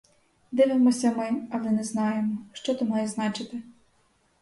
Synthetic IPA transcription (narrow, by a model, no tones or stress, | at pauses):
d̪ɪʋɪmɔsʲɐmɛnʲɐʋɪnɛznɑjemɔʃt͡ʃɔt̪ʊmɑjɛznɑt͡ʃɪt̪ɪ